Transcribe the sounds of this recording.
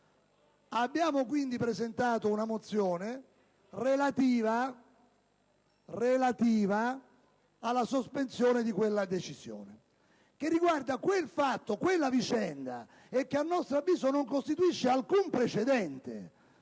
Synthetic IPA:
abːjaːmokwind̪ipɾezent̪aːt̪ounamot̪sːjɔːne | relat̪iːva | relat̪iːvaː | lːasospensjɔːned̪ikwelːad̪et͡ʃiz̥jo̰ːne | k̟erːiɡward̪akwelfat̪ːokwelːavit͡ʃɛnd̪a̰ | ɛkːeanːɔst̪ɾoavːiːzonoŋkost̪it̪uiʃːealkumpɾet͡ʃed̪ɛnt̪e

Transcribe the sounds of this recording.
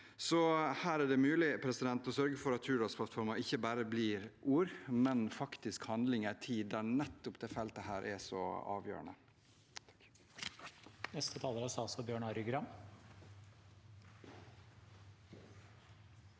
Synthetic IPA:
sɔhæːɾæɖɛmʉːlɪpʰɾɛsɪd̪ɛnt̪ɔsœɾɡəfɔɾɑt̪hʉːɖɔːspʰlɑt̪fɔɾmɑʔɪçːəbæːɾəbliːɾʔuːɾmɛnfɑkt̪ɪskhɑnd̪lɪŋæt̪ʰiːd̪ænɛt̪ːʊpd̪ɛːfɛlt̪əhæːɾʔɛ̰sɔ̰ɑ̰ːʋjø̰ːɾə̰ɳə̰ | nɛst̪ʰət̪ʰɑːləɾɑsɑːsɔbjøːɳɑːɾʏɡɾɑm

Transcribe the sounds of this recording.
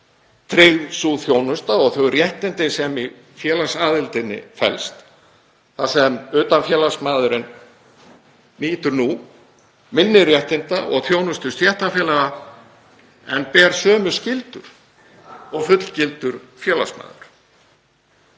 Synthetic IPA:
t̪ʰɾɪɣsuθjoːwnʏst̪aɔɣθœɣrjɛht̪ɪnt̪ɪnsɛmi | fjɛːlasaːðɪlt̪ɪnːɪ̰fɛ̰lst̪ | θasɛmʏːt̪anfjɛːlasmaːðʏɾɪn | niːt̪ʏɾnu | mɪnːɪrjɛht̪ɪnt̪aʔɔ̰ɣθjownʏst̪ʏst̪jɛht̪afjɛːlaɣa | ɛnpɛːɾsœːmʏ̥scɪlt̪ʏɾ̥ | ɔɣfʏt̪l̥cɪlt̪ʏɾ̥fjɛːla̰sma̰ːðʏɾ̥

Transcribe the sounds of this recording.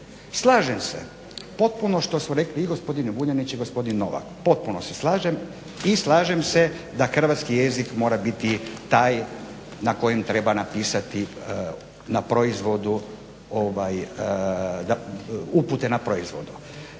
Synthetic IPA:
slˠaːʒemsḛ | po̞t̪̚punoʃt̪o̞smuɾe̞kliːɡo̞spo̞d̪inubuɲanit͡ʃiɡospo̞d̪inːo̞̰ʋa̰kpo̞t̪̚puno̞seslˠaːʒem | islˠaːʒe̞mse̞ | d̪axr̩ʋat̪skijezikmo̞ːɾabit̪it̪aːj | nako̞jemt̪ɾe̞banapiːsat̪i | napɾo̞izʋo̞d̪u | oʋaj | d̪auput̪e̞napɾo̞izʋo̞̰d̪u

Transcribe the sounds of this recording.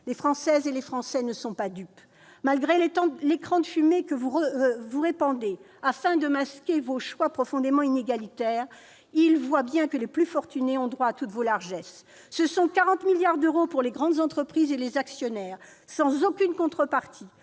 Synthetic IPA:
lefχɑ̃sɛzelefχɑ̃sɛnəsɔ̃pad̪yp | malɡʁelet̪ɑ̃lekχɑ̃d̪əfymekəvuʁəvuʁepɑ̃d̪e | afɛ̃d̪əmaskʲevoʃwapχɔfɔ̃d̪emɑ̃ineɡalit̪ɛʁ | ilvwabjɛ̃kəleplyfɔʁt̪yneɔ̃d̪ʁwaːat̪ut̪volaʁʒɛs | səsɔ̃kaʁɑ̃t̪miljaʁd̪øʁopuʁleɡʁɑ̃d̪zɑ̃t̪χəpχizelezaksjɔnɛːʁ | sɑ̃zokʲynkɔ̃t̪χəpaʁt̪ʰi

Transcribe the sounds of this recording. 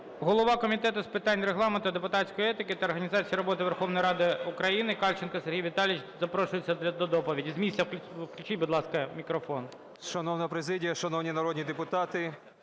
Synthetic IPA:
ɦɔlˠɔʋɑkɔmʲit̪ɛt̪ʊspɪt̪ɑnʲreɦlˠɑment̪ʊd̪epʊt̪ɑtʲsʲkɔjiɛt̪ɪkɪt̪ɐːrɦɐnʲizɑt͡sʲijiɾɔbɔt̪ɪʋerxɔʋnɔjɾɑd̪ɪʊkɾɐjinɪkɑlʲt͡ʃɪnkɐserɦʲijʋʲit̪ɑlʲit͡ʃzɐpɾɔʃʊjet͡sʲːɐd̪ʲɐd̪ɔd̪ɔpɔʋʲidʲizmʲisʲt͡sʲːɐkʲʋklʲʉt͡ʃijʲbʊd̪lˠɑskɐmʲikɾɔfɔn | ʃɐnɔwnɐpɾezɪdʲijɐʃɐnɔwnʲinɐɾɔd̪ʲnʲid̪epʊt̪ɑt̪ɪ

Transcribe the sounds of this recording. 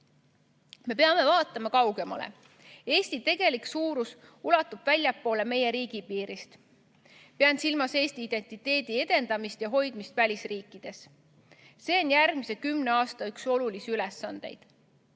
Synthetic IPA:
me̞peɑme̞vɑːt̪ːˑɑmɑkɑwɡe̞mɑ̰lḛ | e̞ːsʲt̪it̪e̞ɡ̥e̞liksuːɾusulɑt̪ːˑub̥vælʲjɑpːˑo̞ːle̞me̞je̞ɾiːɡ̥ipiːɾist̪ | peɑnsilmɑse̞ːst̪iid̪̥e̞nt̪ˑit̪ːe̞ːd̪̥ie̞d̪̥e̞nd̪̥ɑmist̪jɑɦo̞jd̪̥mist̪vælʲisriːkˑːid̪̥e̞s | se̞ːonjærɡmise̞kymne̞ɑːst̪ɑykso̞lulisiylesːɑnd̪̥e̞̰jd̪̥

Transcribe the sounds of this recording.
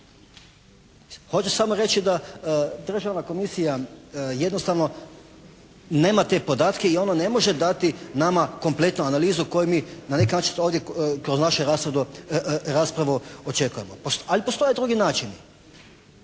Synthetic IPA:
xo̞t͡ʃesamoɾe̞t͡ʃid̪ad̪r̩ʒaʋnako̞misijaje̞d̪no̞st̪aʋno̞ | ne̞ːmat̪e̞po̞d̪aːt̪ke̞io̞none̞mo̞ʒe̞d̪at̪inamako̞mplˠe̞t̪nuanaliːzuko̞jumiːnane̞kinaːt͡ʃinoːʋd̪jekɾoznaʃuɾasɾed̪uɾaːspɾaʋuot͡ʃe̞kuje̞mopoalipost̪o̞jed̪ɾuɡinaːt͡ʃin

